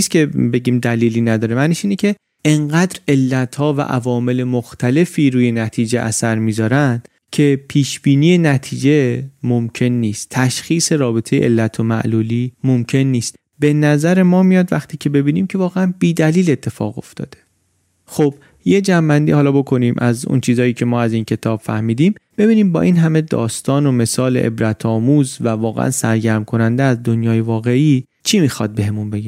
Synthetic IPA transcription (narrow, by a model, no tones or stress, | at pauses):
iskʲʰe̞be̞ɟiːmd̪æliːliːnæd̪ɒːɾemæniʃiːnecʰe̞ | eŋɢæːd̪ɾe̞lːæt̪ʰhɒːvæ̰ʔævɒːme̞le̞moxt̪ʰæle̞fiːɾuːje̞næt̪ʰiːd͡ʒeʔæ̰sæɾmiːzɒːɾænd̪̥ | cʰe̞pʰiːʃbiːniːje̞næt̪ʰiːd͡ʒe̞momcʰe̞nːiːst̪ʰːæʃxiːse̞ɾɒːbe̞t̪ʰejeʔḛlːæt̪ʰomæ̰ʔluːliːmomcʰe̞nːiːst̪ | b̥e̞næzæɾe̞mɒːmijɒːd̪væxt̪ʰiːcʰe̞be̞biːniːmcʰe̞vɒːɣeænbiːd̪æliːle̞t̪ʰːe̞fɒ̰ːɣo̞̰ft̪ɒ̰ːd̪̥e̞ | xob̥ | je̞d͡ʒæmbænd̪iːhɒːlɒbo̞kʰo̞niːmʔæzṵnt͡ʃʰiːzɒːjiːcʰe̞mɒːæzincʰe̞t̪ʰɒːb̥fæ̰hmiːd̪iːmb̥e̞biːniːmbɒ̰ːʔiːnɦæme̞d̪ɒ̰ːst̪ɒːno̞me̞sɒːlḛʔḛbɾæt̪ʰɒːmuːzvævɒːɣḛʔæ̰nsæɾɟæɾmkʰo̞nænd̪eæzd̪onjɒːjevɒːɣe̞ʔiː | t͡ʃʰimixɒ̰d̪̚be̞ɦemunbe̞ɡæ